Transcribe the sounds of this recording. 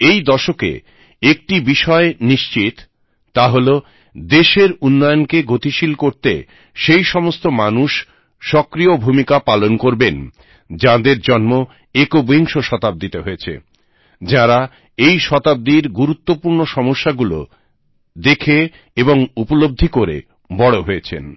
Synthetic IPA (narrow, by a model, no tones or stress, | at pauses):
ejd̪ɔʃokḛ | ek̚ʈibiʃɔeniʃt͡ɕit̪ː | aɦolo | d̪eʃeɾunːɔjonkeɡʱot̪iʃilkoɾt̪ḛ | ʃejʃɔmost̪omanuʃ | ʃɔkɾiobʱumikapalonkoɾben | d͡ʑãd̪eɾd͡ʑɔnmo | ekoboɦiŋʃoʃɔt̪ab̚d̪it̪eɦoet͡ɕʰḛ | d͡ʑaɾa | ejʃɔt̪ab̚d̪iɾɡuɾut̪ːopuɾnoʃɔmoʃːaɡulo̰ | d̪ekʰe | eboŋupolob̚d̪ʱikoɾḛ | bɔɽoɦoet͡ɕʰḛn